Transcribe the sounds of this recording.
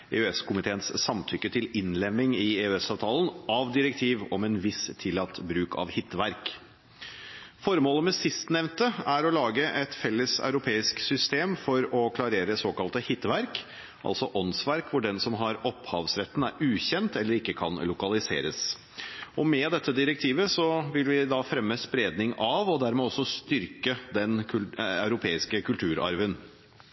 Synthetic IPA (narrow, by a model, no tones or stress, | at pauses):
ḛʉɛskʰʊmɪt̪ʰeːənssɑmt̪ʰʏkːət̪ʰɪlɪnlɛmːɪŋɪeʉɛsɑːʋt̪ʰɑːlənɑʋd̪ɪɾəkt̪ʰiːʋɔmɛnʋɪst̪ʰːɪlːɑt̪ːbɾʉːkʰɑ̰ʋhɪt̪ːʋæɾk | fɔɾmoːləmɛsɪst̪nɛʋnt̪əæɾɔlɑːɡəʔɛt̪fɛlːəsœ̰ʉɾʊpʰeːɪsksʏst̪eːmfɔɾɔkʰlɑɾeːɾəsoːkɑlt̪əhɪt̪ːʋæɾk | ʔɑ̰lsɔʔɔnsʋæɾkʰʋʊɖɛnsɔmɦɑɾɔphɑːʋsɾɛt̪ːn̩æɾʉːçɛnt̪ɛlːəɾɪkːəkʰɑ̰nlʊkɑlɪsḛːɾəs | ɔmɛd̪ɛt̪ʰːəd̪ɪɾək̚t̪ʰiːʋəsɔʋɪlʋɪd̪ɑfɾɛmːəspɾeːd̪nɪŋɑʋɔd̪æɾmɛːɔsːɔst̪ʏɾkəd̪ɛnɑʉɾʊpʰeːɪskəkʉlt̪ʰʉːɾɑ̰ɾʋən